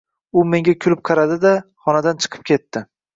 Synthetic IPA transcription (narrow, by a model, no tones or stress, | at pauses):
ʊme̞ŋɡʲakʲʰʊlɪp̚qʰɑɾad̪ɪd̪aχɒnad̪ant͡ʃʰɨ̥qʰɨ̥p̚kʲʰe̞t̪ːɪ